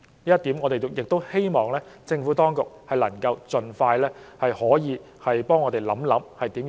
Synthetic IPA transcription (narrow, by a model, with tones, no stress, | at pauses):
niː˥jɐ˥t̪iː˨˥mŋɔ˨˧t̪e˨jjɪ˨k̚t̪o˥whe˥jmɔː˨ŋlɛː˥t͡sɪ˧ŋfuː˨˥t̪ɔː˥ŋkʊ˨k̚hɐ˨˩jlɐ˨˩ŋkɐ˧wt͡sɵ˨nfaː˧jlɛː˥hɐ˨jhɔː˨˥jiː˨˧ | hɐ˨jpɔː˥ŋɔː˨˧t̪e˨˩jlɐ̰˨˥mlɐ˨˥mhɐ˨jt̪iː˨˥m